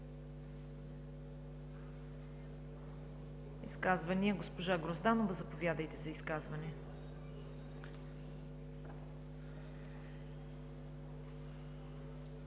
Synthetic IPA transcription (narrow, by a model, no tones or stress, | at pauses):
iskazvɐniəɡospoʒaɡɾozd̪anovɐzɐpovʲjad̪əjt̪ɛzɐiskazvɐnɛ